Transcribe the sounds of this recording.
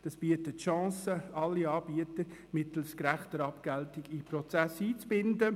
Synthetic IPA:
d̥ɑsb̥iətətʃɑ̃ːsəɑlːiɑːb̥iət̪əɾmɪtl̩skɾæχtəɾɑpɡ̥ɛltɪɡipɾɔt͡sæsiːt͡sb̥ɪndə

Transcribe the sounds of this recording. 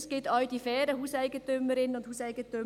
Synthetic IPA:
skɪtɑld̥ifɛːɾəhuːsæɪɡəntʏmːəɾɪnəʊndhuːsæɪɡ̥ətʏ

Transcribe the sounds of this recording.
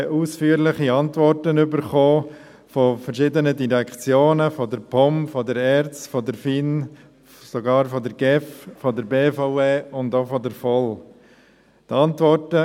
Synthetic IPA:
ʔusfyːəɾlɪχiɑntʋɔɾtənʏbəɾχoː | fɔfəɾʃɪdənədiɾɛkχt͡sjoːnəfɔdəɾpʰɔmfɔdəɾɛɾt͡stfɔdəɾfin | soɡɑːɾfɔdəɾɡ̥ɛffɔdəɾbeːfɔʊeːʊndofɔdəɾfɔl | tɑntʋɔɾtə

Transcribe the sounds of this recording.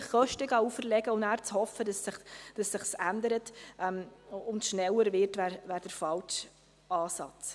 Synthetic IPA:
χχœʃtəɡɑːufəɾlɛɡəʊnæːɾt͡shɔfːədɑsɪχd̥ɑsːɪχsændəɾətʔɛmʊntʃnɛlːəɾʋɪtʋæːɾʋæːɾd̥əɾfɑlt͡ʃ | ɑːsɑt͡s

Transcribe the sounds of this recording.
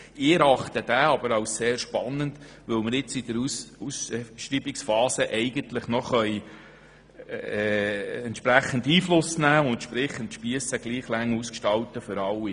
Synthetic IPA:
ɪɾɑχt̪əd̥̪æːɑb̥əɾɑwsseːɾʃpɑnənd | ʋɵwmɪɾɪt͡sid̥̪əɾsusʃɾiːbɪksfɑːsəʔɛɪɡənt̪lɪχnɔχœj | ɛɛntʃpɾæχːəndiːflʊsnæːʊnt̪ʃpɾɪχənt̪ʃpiəsəɡliːχlæŋːuskʃtɑwtəfʏɾɑlːi

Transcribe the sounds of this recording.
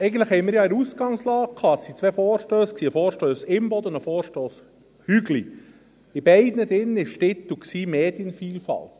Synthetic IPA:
ɛɪɡən̩tləχhɛɪmɪːɾjɑɛɾusɡ̥ɑŋslɑːk̚kʰɑːəsːit͡sʋɛfɔːɾʃtøːsksiːəfɔːɾʃtøːsɪmbɔd̪əʊnd̪əfɔːɾʃtoːs | hyɡli | ɪb̥ɛɪd̪nəd̪ɪnːɪʃtɪt̪ːuksiːmeːd̪jənfiːlfɑ̰lt̪

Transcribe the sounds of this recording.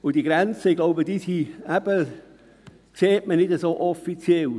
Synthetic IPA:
ʊd̥iɡɾɛnt͡səɪɡ̥laʊbədisiæb̥ə | kseːtmənɪdəsoːʔɔfit͡sjɛl

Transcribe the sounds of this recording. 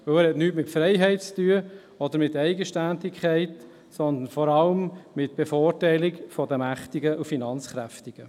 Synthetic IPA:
ʋɵlæːɾhɛtnyːtmɪtfɾɛɪɦɛɪt̚t͡styə | ɔd̪əɾmɪt̪ɛɪɡəʃtændɪkʰχɛɪt | sɔnd̪ənfɔɾɑləmmɪtb̥efoːrtæɪlɪkfɔd̪əmæχtiɡəʔufinɑnt͡sχɾæft̪ɪɡ̥ə

